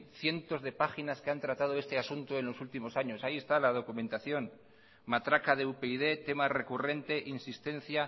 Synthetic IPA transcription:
θje̞nt̪o̞zðe̞paxinaskeant̪ɾat̪að̞o̞e̞st̪easunt̪oe̞nlo̞sult̪imo̞saɲo̞saie̞st̪alað̞o̞kumẽ̞nt̪aθjo̞n | mat̪ɾakaðeupeiðe̞t̪e̞mare̞kure̞nt̪e̞ʔinsist̪ẽ̞n̟θja

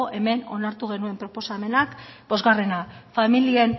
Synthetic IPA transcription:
ʔe̞me̞no̞̰naɾt̪uɣ̞e̞nue̞mpɾo̞po̞same̞nakbo̞zɣare̞nafamilie̞n

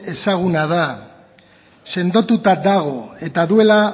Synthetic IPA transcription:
e̞saɣ̞unaða | se̞nd̪ot̪ut̪ad̪aɣ̞o̞e̞t̪aðue̞la

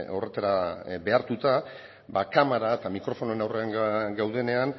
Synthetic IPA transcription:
o̞re̞t̪aɾabe̞aɾt̪ut̪a | bakamaɾaet̪amikɾo̞fo̞noe̞nawre̞aŋɡawðe̞ne̞an

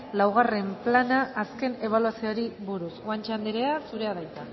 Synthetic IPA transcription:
lawɣ̞are̞mplanaʔːske̞ne̞β̞aluasioɾiβuɾuswant͡ʃand̪eɾeasuɾe̞aðajt̪a

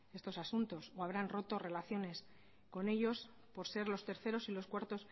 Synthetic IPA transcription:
e̞st̪o̞sasunt̪osoaβ̞ɾanro̞t̪o̞re̞laθjo̞ne̞s | ko̞ne̞ʎo̞s | po̞ɾse̞ɾlo̞st̪e̞ɾθe̞ɾo̞silo̞skwaɾt̪o̞s

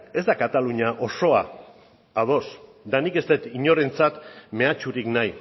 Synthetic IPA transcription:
e̞zd̪akat̪aluɲaʔo̞so̞a | aðo̞s | d̪anike̞st̪e̞t̪iɲo̞ɾe̞nt͡sat̪me̞at͡ʃuɾiknaj

